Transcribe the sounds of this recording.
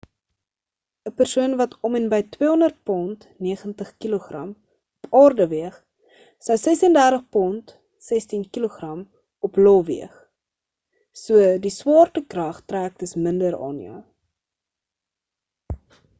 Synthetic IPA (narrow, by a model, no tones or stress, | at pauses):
əpərsuənvɐtʰɔmɛnbəjtwiəɦɔndərt̚pɔnt | niəχəntəχkiloχrɐ̰m | ɔpʰɑːrdəviəχ | sɐwsɛsəndærtəχpɔnt | sɛstinkiloχrɐm | ɔplɔvḭəχ | suədiswɑːrtəkrɐχtræːk̚təsməndəɾɑ̰ːnjœ̰